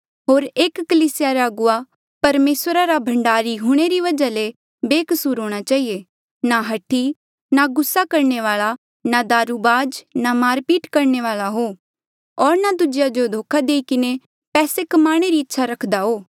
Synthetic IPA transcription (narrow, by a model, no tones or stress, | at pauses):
ɦoːɾeːkːəliːsɪjaɾaɐɡʊa | pɐɾmeːsɾaɾabʱɐ̃ɳɖaːɾiɦuɽ̃eɾiʋɐd͡ʒale | beːkəsuːɾɦoːɽ̃at͡ʃaːɦie | naɦɐʈʰːi | naɡʊsːakɐɾɳeʋaːɭa | nad̪aːɾubaːd͡ʒnamaːɾpiːʈkɐɾneʋaːlaɦoː | ɔːɾnad̪ʊd͡ʒɪjad͡ʒod̪ʱoːkʰad̪eːikɪne | pɛːsekɐmaːɽ̃eɾiɪtːʃʰaɾɐkʰd̪aɦoː